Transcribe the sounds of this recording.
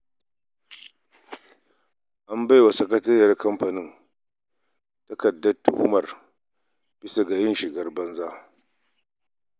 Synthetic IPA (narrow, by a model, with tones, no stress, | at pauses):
ʔa˦mba˦jwa˨sɐ˦kɐ˦tɐ˦rjɐ˨˦rkɐ˦mɸɐ˨nɪ˦n | tɐ˦kɐ˨dːɐ˦tːṵ˨ʔʊ̰˦mɐ˨r | b̥ɪ˦sa˨ɡa˨jɪ˦nʃɪ˨ɡɐ˦rbɐ˦nzaː˦